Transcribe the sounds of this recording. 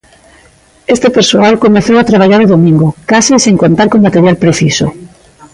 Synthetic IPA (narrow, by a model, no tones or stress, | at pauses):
est̪epeɾsoalkomeθowat̪ɾaβ̞aʎaɾoðomĩŋɡokaseseŋkont̪aɾkõmbat̪eɾjalpɾeθiso̰